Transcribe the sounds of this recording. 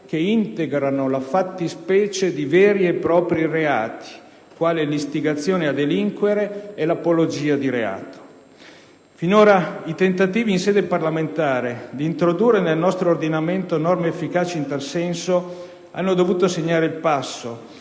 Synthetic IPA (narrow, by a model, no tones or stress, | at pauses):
keint̪eɡɾanolafat̪ːispɛːt͡ʃed̪ivɛːɾiepːɾɔːpɾireaːt̪ʰi̥ | kwaːlelist̪iɡat̪sːjoːnead̪eliŋkweɾeːlapolod͡ʒiːad̪iɾea̰ːt̪o̥ | finoːɾait̪ent̪at̪iːviːnsɛːd̪eparlament̪aːɾed̪iːnt̪ɾod̪urːenelnɔst̪ɾoːrd̪inament̪onɔrmeːfːikaːt͡ʃiint̪alsɛnso | a̰nːod̪ovuːt̪oseɲːaːɾeilpasːo